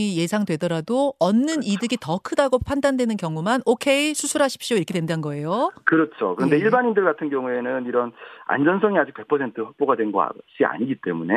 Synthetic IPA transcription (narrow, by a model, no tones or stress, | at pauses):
ije̞sʰaŋdwe̞dʌɾadoʌnːɯnidɯɡitʌkʰɯdaɡopʰandandwe̞nɯnkjʌŋumanokʰe̞isʰusʰuɾɦaɕʰi̥p̚ɕ͈ioiɾʌkʰedwendanɡʌe̞jokɯɾʌt͡ɕʰokɯɾʌnde̞iɭbaɲindɯɭɡatʰɯnɡjʌŋue̞nɯniɾʌna̰nd͡ʑʌnsʰʌŋiad͡ʑik̚pe̞k̚pʰʌsʰe̞ntʰɯɸʌk̚p͈oɡadwe̞nɡʌa̰ɕ͈ia̰ɲiɡit͈e̞̰mune̞